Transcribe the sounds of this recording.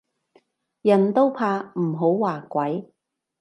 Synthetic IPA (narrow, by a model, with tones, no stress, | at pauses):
jɐ˨˩nt̪o˥wpʰaː˧m̩˨˩ɦo˨˥wwaː˨˩kʷɐ˨˥j